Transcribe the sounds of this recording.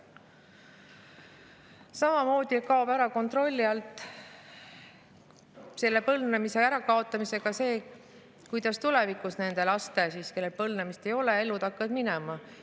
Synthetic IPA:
sɑmɑmo̞ːd̪̥ikɑobæɾɑko̞nt̪ro̞lʲːiɑlt̪ːˑ | se̞lːe̞pɤlnemise̞æɾɑkɑo̞t̪ˑːɑmise̞ɡ̥ɑse̞ː | kujd̪̥ɑst̪ulɛvikˑusne̞nd̪̥e̞lɑst̪e̞siːske̞lːelpɤlnemist̪e̞jo̞le̞e̞lːut̪ɑkːɑd̪̥minɛmɑ

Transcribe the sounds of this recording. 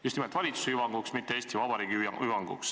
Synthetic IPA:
just̪nimet̪vɑlʲit̪su̥seyvɑŋɡ̥uksmit̪ːeeːsʲt̪ivɑbɑɾiːɡ̥iyɑyvɑŋɡṵks

